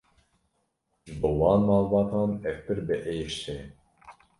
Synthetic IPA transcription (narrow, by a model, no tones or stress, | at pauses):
bɨwɑːnmɑːlbɑːt̪ɑːnɛfpɨɾbɨʔejʃe